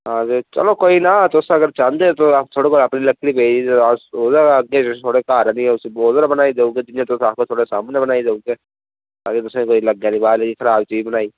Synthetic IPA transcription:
ɦãːd͡ʒet͡ʃɐ̰lokoːinat̪ʊsɐɡəɾt͡ʃãːnd̪et̪ot̪ʰoːɽikolɐpnilɐklibeːd͡ʒisoːd̪əɾɐɡet͡ʃet̪ʰoːɽekaːɾənĩɛʊsioːd̪əɾbɐnaːid̪eːuɡed̪ɪnijãt̪ʊsaːp̚kot̪ʰoːɽesaːmnebɐnaːid̪eːuːɡe | t̪aːket̪ʊsekoːilɐɡjaːlibaːlkikʰɐɾaːbt͡ʃiːbɐnaːiː

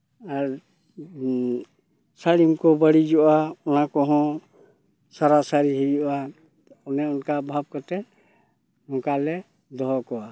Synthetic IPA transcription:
aɾ | saɽimkɔbəɽid͡ʒɔʔaɔnakɔɦɔ̃ | saɾasaɾiɦɛbjʔa | ɔnɛɔnkabʱab̚kɔt̪ɛ | nɔŋkalɛ | d̪ɔɦɔkɔa

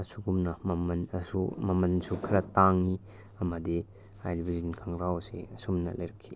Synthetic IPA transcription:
ɐsuɡumnɐmɐmɐnɐsṵmɐmɐnsukʰɾɐtaŋi | ɐmɐdi | ajɾbʱizinkʰaŋɾawsḛɐsumnɐ̰lɐjɾɐkʰːi

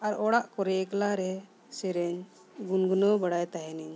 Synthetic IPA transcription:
aɾɔɽaʔkɔɾɛklaɾɛ | sɛɾɛɲ | ɡunɡunɔbaɽajt̪aɦɛniɲ

